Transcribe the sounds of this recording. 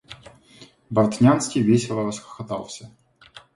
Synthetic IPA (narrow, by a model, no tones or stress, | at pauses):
bɐrt̪nʲanskʲijvʲesʲɪlˠəɾɐsxə̥xɐt̪ɑ̰lˠsʲə